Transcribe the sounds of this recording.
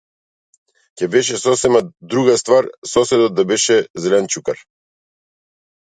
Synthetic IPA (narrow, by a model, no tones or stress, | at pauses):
cɛbɛʃɛsɔsɛmad̪ɾuɡast̪vaɾsɔsɛd̪ɔt̪̚d̪abɛʃɛzɛlɛnt͡ʃukaɾ